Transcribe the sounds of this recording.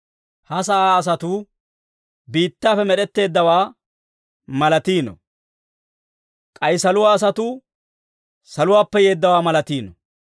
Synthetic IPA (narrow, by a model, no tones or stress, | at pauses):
hɐs̬ɐʔaːɐs̬ɐt̪uː | biːt̪ːaːfɛmɛɗɛt̪ːe̞ːd̪ːɐwaː | mɐlɐt̪iːnɔ̰ | kʼɐjsɐlʊwaːs̬ɐt̪uː | sɐlʊwaːpːɛje̞ːd̪ːɐwaːmɐlɐt̪iːnɔ